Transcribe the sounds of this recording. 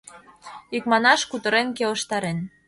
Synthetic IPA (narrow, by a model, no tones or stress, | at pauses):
ikmɑnɑʃkut̪ə̆ɾenkelə̆ʃt̪ɑɾen